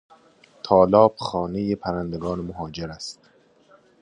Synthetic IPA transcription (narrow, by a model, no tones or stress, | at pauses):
t̪ʰɒːlɒːb̥xɒːnejepʰæɾænd̪eɡɒːnemoɦɒːd͡ʒeɾæst̪